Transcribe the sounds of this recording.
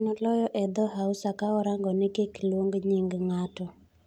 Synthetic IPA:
nɔlɔjɔʔɛd̪ɔɦausakaɔɾaŋɡɔnɪkeklwoŋɡɲiŋɡŋatɔ

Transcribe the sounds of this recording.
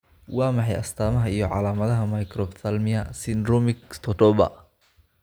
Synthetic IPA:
wɑːmɑħɑjɐ̰st̪ʰaːmɐɦɐijɔʕɑ̰laːmɐðɐɦɐmɐjkʰrɔbθɐlmɪɐsɪnd̪ɾɔmɪkst̪ʰɔt̪ɔbɐ̰

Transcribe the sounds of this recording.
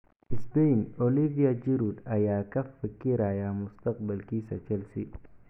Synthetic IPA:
ʔɪsbɛjnɔliviɐd͡ʒiɾud̪ɐjaːkɐfɪkiɾajamʊst̪ɐqbɐlkiːsɐt͡ʃɛlsi

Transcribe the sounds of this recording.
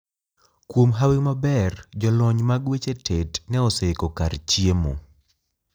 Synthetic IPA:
kwomɦaweŋmabɛrd͡ʒɔlɔɲmaɡwet͡ʃetʰetnɛɔsekɔkart͡ʃiemo̰

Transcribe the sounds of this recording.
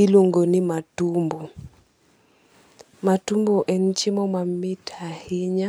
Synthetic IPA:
iluŋɡɔnimatumbu | matumbɔʔɛn̩t͡ʃimɔmamitʰahiɲa

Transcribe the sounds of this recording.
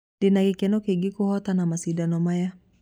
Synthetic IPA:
ndinakikɛnɔkiɡikuhɔt̪anamasidanɔmaja

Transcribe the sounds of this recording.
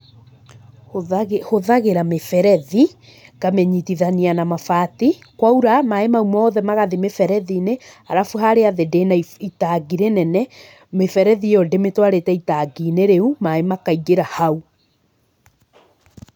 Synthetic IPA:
ɣhoðaɣeɾamefɛɾɛði | ɡamɛɲitiðanianamafatikwauɾamaemaumɔːðɛmaɣaðemefɛɾɛðineaɾafuɦaɾeaðedenaitaɡiɾenɛnɛ | mefɛɾɛðiɔdemetwaɾetɛitaɡineɾeumaemakaiɣeɾahau

